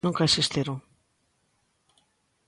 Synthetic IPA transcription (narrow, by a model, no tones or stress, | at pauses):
ũŋkaesest̪eɾo